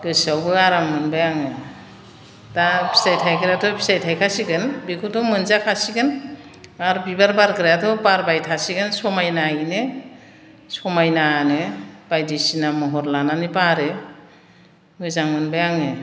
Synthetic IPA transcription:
ɡɯsawbɯaɾaŋmɯnbajaŋɯ | dapʰi̥sajtʰajkʰɯɾjatʰɔpʰi̥sajtʰajkʰasiɡɯnbikʰutʰɔmɯnzakʰasiɡɯn | aɾbibaɾbaɾkɯɾjatʰɔbaɾbajtʰasiɡɯnsɔmajnainɯ | sɔmajnanɯb̥ajdisinamɔɦɔɾlananipaɾe | mɯzaŋmɯnbajaŋɯ

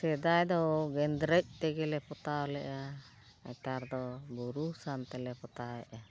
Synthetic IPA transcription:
sɛd̪ajd̪ɔɡɛnd̪ɾəc̚t̪ɛɡɛlɛpɔt̪aɔlɛʔa | a̰t̪aɾd̪ɔbuɾusant̪ɛlɛpɔt̪aɛʔa

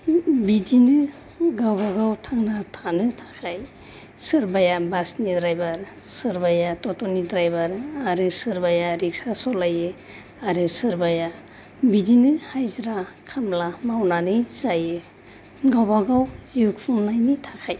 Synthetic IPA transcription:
bidinɯ | ɡawbaɡawtʰaŋnatʰanɯtʰakʰaj | sɯɾbajabasnidɾajbaɾ | sɯɾbajatɔtɔnid̪ɾajbaɾaɾɯsɯɾbajaɾik̚sasɔlajɯ | aɾɯsɯɾbaja | bidinɯhajzɾa | kʰamlamawnanɯzajɯ | ɡawbaɡawzijukpʰunnajnitʰakʰaj

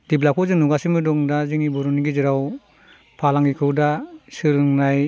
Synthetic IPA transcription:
d̥iblakʰɔzɯnuɡasimɯdɔŋdaziŋibɔɾɔniɡiziɾaw | pʰalaŋikʰɯwdasɯɾɯŋnaj

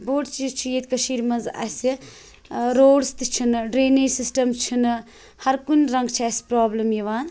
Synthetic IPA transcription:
boːʈt͡ʃizt͡ʃʰijet̪ʲkɐʃiːɾmɐnzɐ̰si | ɾoːɖst̪it͡ʃʰinɖɾeːniɾsisʈɐmt͡ʃʰin | hɐɾkunɾɐŋɡt͡ʃʰiɐspɾaːblɐmjiʋaːn

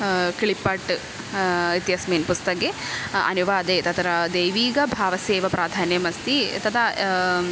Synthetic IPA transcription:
kiɭipɐʈ | it̪jɐsmeːnpust̪ɐkeɐ̰nuʋaːd̪eːt̪ɐt̪ɐɾɐd̪eːʋiːɡɐbʱaːʋɐseːʋɐpɾaːd̪ʱaːnjɐmɐst̪it̪ɐt̪ʰɐ

